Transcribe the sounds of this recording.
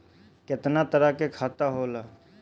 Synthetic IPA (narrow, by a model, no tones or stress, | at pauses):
kɪt̪nat̪əɾakekʰaːt̪aɦoːlaː